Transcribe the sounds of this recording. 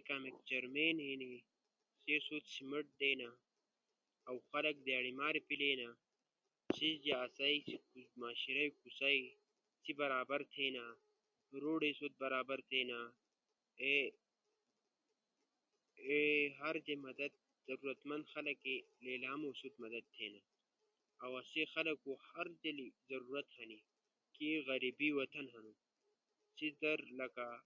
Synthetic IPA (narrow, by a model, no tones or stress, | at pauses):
kaːmekd͡ʑɐɾmeːnɦeːni | sesut̪simɐʈ̚d̪eːna | wxɐlɐk̚d̪jaːɽimaːɾipileːna | sizd͡ʒaːsaiskmaːɕiɾɐjkusai | sibɐɾaːbɐɾt̪ʰeːna | ɾoːɽesot̪̚bɐɾaːbɐɾt̪ʰeːna | e | eɦɐɾd͡ʒemɐd̪ɐd̪̚ | zɐɾuːɾɐt̪mɐ̃nd̪xɐlɐke | leːlaːmoːsut̪̚mɐd̪ɐd̪̚t̪ʰːeːnaː | wɐsexɐlɐkohɐɾd͡ʒelizɐɾuːɾɐt̪hɐni | kieɣɐɾibiwɐt̪ʰɐnɦɐnu | sid̪ɐɾlɐka